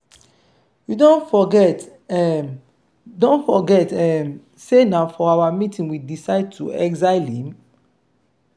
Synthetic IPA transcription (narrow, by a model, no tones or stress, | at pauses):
judõnfɔɡɛt | ɛ | dõnfɔɡɛtɛm | senaʊfɔawamitʰĩnwidisaɪd̚tʰṵɛkzaɪlĩm